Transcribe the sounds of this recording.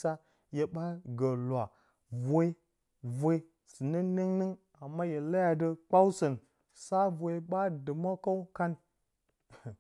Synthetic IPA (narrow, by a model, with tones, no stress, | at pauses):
sa˦ | je˨ɓa˦ɡə˨lwa˨ | vʷe˦i˦ | vʷe˦i˦ | sɨ˨nə˦ne˦ŋnɨ˦ŋ | a˨mːa˦je˨la˦ja˨də˦k͡pa˦wsə˨n | sa˦vʷe˨˦ɓa˦dɨ˨ma˦ka˦wka˦n